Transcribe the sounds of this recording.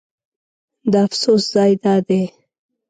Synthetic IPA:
d̪əafsosz̥ɑjd̪ɑd̪e

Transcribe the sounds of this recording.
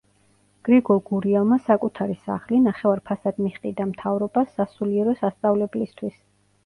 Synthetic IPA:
ɡ̥ɾiɡɔlˠɡuɾiɛlˠmasakʼut̪ʰaɾisa̰χlinaχɛvaɾpʰasad̪̥miχqʼid̪amt̪ʰavɾɔbasːasuliɛɾɔsast̪sʼavlɛblist̪ʰwis

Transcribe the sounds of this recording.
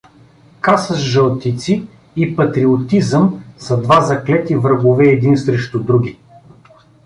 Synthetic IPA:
kasəʃʒəlˠt̪it̪siː | pɐt̪ɾiot̪izəmsɐd̪vazɐklɛt̪ivɾəɡovɛːd̪insɾɛʃt̪ʊd̪ɾuɡʲi

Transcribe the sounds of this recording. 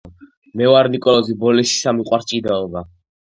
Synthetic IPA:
mɛvaɾnikʼɔlɔzibɔlɛʃi̥samiqʼwaɾt͡ʃʼid̪aɔba

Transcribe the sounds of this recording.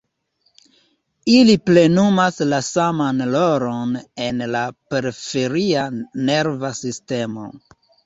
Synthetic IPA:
iliple̞numaslasamanloɾone̞nlape̞ɾifeɾiane̞ɾvasiste̞mo̰

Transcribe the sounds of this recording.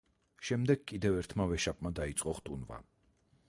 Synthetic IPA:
ʃɛmd̪ɛɡkʼid̪ɛvɛɾt̪ʰmavɛʃapʼmad̪ait̪sʼqʼɔχt̪ʼunva̰

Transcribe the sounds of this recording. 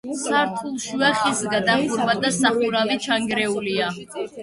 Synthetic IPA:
sʰaɾt̪ʰulˠʃwɛχisɡad̪aχuɾbad̪asaχuɾavit͡ʃʰaŋɡɾɛulia

